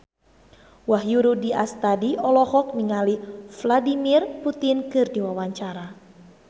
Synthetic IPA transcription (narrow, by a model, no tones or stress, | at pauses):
waɦjuɾudiast̪adiɔlɔhɔk̚miŋalifladimirput̪inkɨrdiwawaɲt͡ʃaɾa